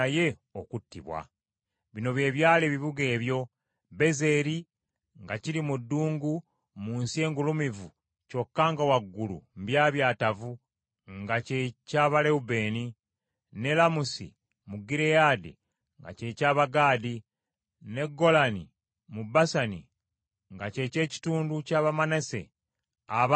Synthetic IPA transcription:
je̞okutːḭβwa̰ | βino̞βje̞ːβjaːleβiβuɡe̞ːβjo̞ | be̞ze̞ɾi | ŋɡaciɾimudːuːŋɡu | muːnsie̞ːŋɡulumivu | co̞kːaŋɡawaɡːulṵmbjaːβjaːtavu | ŋɡace̞caːβale̞ube̞ːni | ne̞lamusḭ | muɡiɾejadḭ | ŋɡa̰ce̞caːβaɡaːdi | ne̞ɡo̞lani | mubasanḭ | ŋɡace̞ce̞ːci̥tuːnducaːβamanese̞̰ | aβ

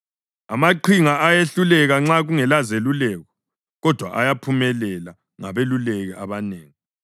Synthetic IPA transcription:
a̰maǃʰiŋaʔajeɬulɛɣaŋ͡ǁaɣuŋɛlazelulɛːɣɔ̥ | ɣɔd̥ʱwa̰ʔajapʰumɛlɛla | ŋa̰βelulɛɣɛʔaβaneːŋi

